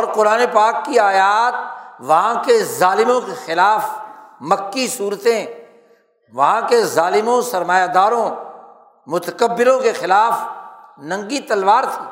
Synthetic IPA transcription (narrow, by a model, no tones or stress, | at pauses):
ɔːɾqʊɾaːnepaːkːiaːjaːt̪̚ʋɐɦãkezaːlɪmõkexɪlaːfmɐkːisuːɾt̪ẽ | ʋɐɦãkezaːlɪmõsɐɾmaːjad̪aːɾõ | mʊt̪əkəbːɪɾõkexɪlaːfnɐ̃ŋɡit̪ɐlʋaːɾt̪ʰiː